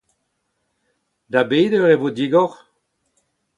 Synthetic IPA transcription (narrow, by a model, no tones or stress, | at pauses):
d̪abeːdøʁevod̪iɡɔʁ